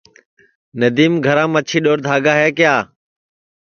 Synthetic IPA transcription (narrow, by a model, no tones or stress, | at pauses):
nəd̪iːmɡʱəɾãːmət͡ʃʰiːɗoːɾd̪ʱaːɡaːɦeːkɪjaː